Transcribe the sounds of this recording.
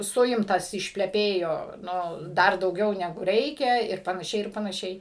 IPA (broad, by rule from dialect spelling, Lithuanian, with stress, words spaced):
ˈsʊɪmtɐs ɪʃʲpʲlʲɛˈpʲeːjoː ˈnʊ ˈdɐr dɐʊˈɡʲɛʊ nʲɛˈɡʊ ˈrʲɛɪkʲɛ ɪr pɐnɐˈʃʲɛɪ ɪr pɐnɐˈʃʲɛɪ